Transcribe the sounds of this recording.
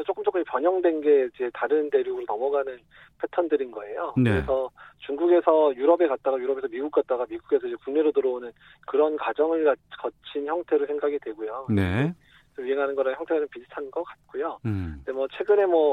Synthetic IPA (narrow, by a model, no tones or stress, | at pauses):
t͡ɕ͈ok͈ɯmt͡ɕ͈ok͈ːɯmepjʌɲʌŋdwe̞nɡe̞id͡ʑe̞taɾɯnte̞ɾjuɡɯɾonʌmʌɡanɯn | pʰe̞tʰʌndɯɾinɡʌe̞jokɯɾesʰʌt͡ɕuŋɡuɡe̞sʰʌjuɾʌbe̞kat̚t͈aɡajuɾʌbesʰʌmiɡuk̚k͈at̚t͈aɡamiɡuɡe̞sʰʌid͡ʑekuŋne̞ɾotoɾʌonɯn | kɯɾʌnkwad͡ʑʌŋɯɭkakʌt͡ɕʰinçjʌŋtʰe̞ɾosʰe̞ŋɡaɡidwe̞ɡujonee | sʰʌɥieŋɦanɯnɡʌɾançjʌŋtʰe̞ɡananpisʰɯ̥tʰannɡʌk͈at̚k͈ojodemwʌt͡ɕʰwe̞ɡɯne̞mwʌ